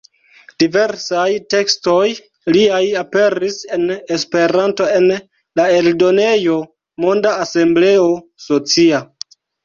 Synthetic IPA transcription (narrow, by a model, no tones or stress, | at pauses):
d̥ive̞ɾsajte̞ksto̞j | liajape̞ɾise̞ne̞spe̞ɾanto̞e̞n | lae̞ldo̞ne̞jo̞ | mo̞ndaːse̞mble̞o̞ | so̞t͡sia